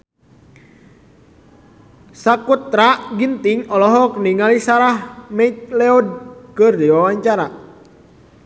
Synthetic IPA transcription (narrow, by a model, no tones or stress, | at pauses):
sakut̪ɾaʔɡint̪iŋɔlɔɦɔk̚niŋalisaɾahmɛit̪̚lɛɔd̚kɨrdiwawaɲt͡ʃaɾa